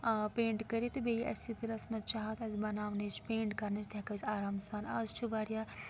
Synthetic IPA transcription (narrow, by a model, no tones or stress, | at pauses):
peːɳʈkɐɾit̪ɨbejiʔɐ̰sit̪iɾɐsmɐt̪̚t͡ʃaɦɐt̪ɐzibɐnaːʋnɐt͡ʃʰpeːɳʈkɐɾnɐt͡ʃʰt̪ʲekɐzʲaːɾaːmsaːnɐ̰zt͡ʃʰibaːɾja